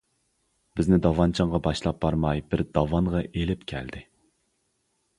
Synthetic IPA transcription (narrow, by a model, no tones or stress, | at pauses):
bɪznɪd̪ɑvɑnt͡ʃʰɑɴʁɑbɑʃlˠɑp̚bɑɾmɑjbɪɾd̪ɑvɑŋʁɑʔelɪpkʲʰɛ̰ld̪ɪ